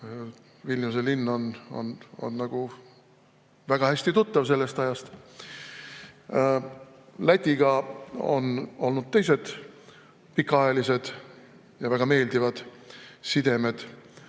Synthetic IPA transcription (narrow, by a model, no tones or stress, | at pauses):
vilʲnus̬elinːo̞no̞̰no̞̰nːɑɡ̥u | væɡ̥ɑhæsʲt̪it̪ut̪ːɑvse̞lːest̪ɑjɑst̪ | læt̪ʲːˑiɡ̥ɑo̞̰no̞lnud̪̥̚t̪e̞jse̞d̪̥ | pikːˑɑɑjelise̞d̪̥ | jɑvæɡ̥ɑme̞ːld̪ivɑd̪̥sid̪e̞med̪̥